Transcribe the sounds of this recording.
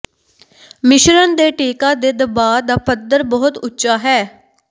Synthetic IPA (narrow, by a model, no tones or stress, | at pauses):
mɪʃɾənd̪eːʈeːkãːd̪eːd̪əbaːd̪aːpəd̪əɾbɔɦʊt̪ʊtːʃaːɦɛː